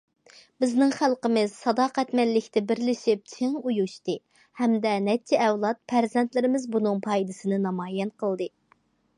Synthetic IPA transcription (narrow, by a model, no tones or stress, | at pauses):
bɪznɪŋχælˠqəmɨz̥sɑd̪ɑːqʰæt̪mɛllɪkʲt̪ɪbɪɾlɪʃɪp̚t͡ʃʰeŋujuʃt̪ɨ | hɛmd̪ɛnɛt͡ʃʰɛːwlˠɑt̪̚pʰæɾzɛnt̪lɪɾɪmɪzbunɨŋpʰɑjd̪ɨsɨnɨnɑmɑːjɛnqʰəlˠd̪ɨ